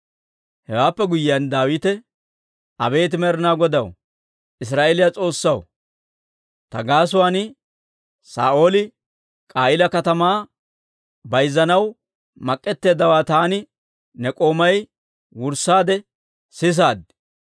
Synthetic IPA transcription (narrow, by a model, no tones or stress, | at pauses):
hɛwaːpːɛɡʊjɪɐnd̪aːwɪt̪ɛ | ɐbe̞ːt̪ɪmɛɾɪnaːɡɔd̪ɐw | ʔɪs̬ɾaːʔeːlɪjat͡sʼo̞ːsːɐw | t̪ɐɡaːs̬ʊwaːnɪ | sa̰ːʔo̞ːlɪ | kʼaːjɪlɐkɐt̪ɐmaː | bɐjzːɐnɐw | mɐkʼːɛt̪ːe̞ːd̪ɐwaːt̪aːnɪ | nɛkʼo̞ːmɐj | wʊɾsːaːd̪ɛ | sɪs̬aːd̪